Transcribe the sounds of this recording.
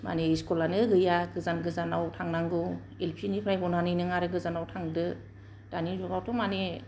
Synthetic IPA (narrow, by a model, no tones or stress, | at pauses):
ma̰neiskɔlanɯɡɯjaɡɯzanɡɯzanawtʰaŋnaŋɡɯ | elpʰinipʰɾajɡɔnanɯjnɯŋaɾɯɡɯzanawtʰaŋdɯ | d̥anizuɾawtʰɔmane